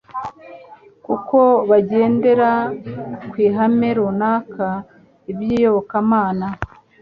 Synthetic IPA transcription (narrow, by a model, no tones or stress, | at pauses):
kuko̞βaɟe̞ːnde̞ɾa | kwiːɦameɾonaːkʰa | ibjiːjo̞βokamaːna